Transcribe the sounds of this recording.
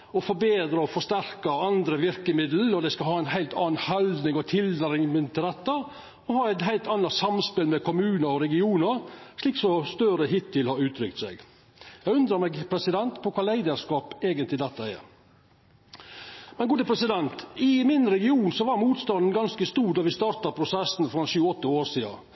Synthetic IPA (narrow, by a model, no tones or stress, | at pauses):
ɔfɔɾbeːd̪ɾəɔfɔʂt̪æɾkɑɑnd̪ɾəʋɪɾkəmɪd̪l̩lɔd̪æɪskɑlhɑːæɪnɦæɪlt̪ɑ̰ːnhɑld̪nɪŋɔt̪ʰɪld̪əɾɪŋmɪnt̪ɪlɛt̪ːə | ɔhɑːæɪt̪ɦæɪlt̪ɑnːɑsɑmspɪlmɛkʰɔmʉːnəɾɔɾɛɡɪuːnəɾʂɭiːksɔst̪œɾəɦɪt̪ʰːɪlhɑɾʉːt̪ʰɾʏkt̪sɛɡ | jæɡʉnd̪ɾəɾmɛɡpʰɾɛsɪd̪ɛnt̪pʰɔkʰɑːlæɪd̪əɾʂkɑːpeːɡənt̪lɪd̪ɛt̪ːɑɛ̰ɾ | mɛnɡuːd̪əpʰɾɛsɪd̪ɛnt̪ɪmɪnɾɛɡɪuːnsɔʋɑɾmuːt̪st̪ɑnd̪n̩ɡɑnskəst̪uːd̪ɑʋɪst̪ɑːɾt̪ɑpʰɾʊsɛsnfɾɔɛnʃʉːəɔt̪ːəoːɾʂiːɑ̰